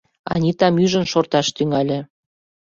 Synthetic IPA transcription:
ɑ̰nʲit̪ɑmyʒə̆nʃort̪ɑʃt̪yŋɑlʲĕ

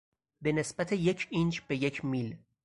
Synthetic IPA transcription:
benesb̥æt̪ʰeje̞cʰind͡ʒb̥e̞jecʰmil

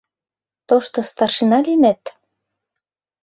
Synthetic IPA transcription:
t̪oʃt̪ost̪ɑrʃinɑlʲinet̪

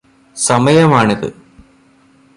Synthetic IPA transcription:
sɐmɐjɐmaːɳɐðɨ̰

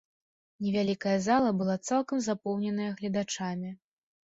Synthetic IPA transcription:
nʲɛvʲalʲikɐjɐzalˠɐbɨlˠat̪salˠkɐmzapɔwnʲɛnɐjɐɣlʲɐd̪at͡ʂamʲi

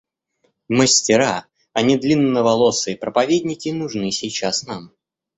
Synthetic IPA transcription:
məsʲtʲɪɾa | ɐnʲid̪lʲinːəvɐlˠosɨɪpɾəpɐvʲedʲnʲɪkʲɪnʊʐnɨsʲɪjt͡ɕasnam

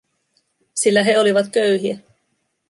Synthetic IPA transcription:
silːæɦe̞oliʋɑt̪køɥɦiæ

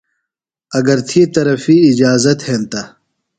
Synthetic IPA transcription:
ɐɡɐɾt̪ʰiːt̪ɐɾɐfiːd͡ʑaːzɐt̪hẽːnt̪a

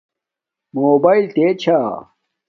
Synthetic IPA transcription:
moːbaːilt̪et͡ɕʰaː

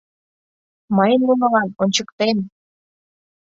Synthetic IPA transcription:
mɤjənlunə̆lɑnonʲt͡ɕəkt̪en

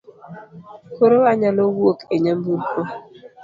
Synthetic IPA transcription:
koɾowaɲalowokeɲambuɾkɔ

